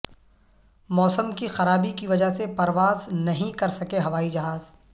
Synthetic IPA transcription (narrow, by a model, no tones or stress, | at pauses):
mɔːsəmkixɐɾaːbikiʋɐd͡ʒaɦsepɐɾʋaːznɐɦĩkɐɾsɐkeɦɐʋaːid͡ʒɐɦaːz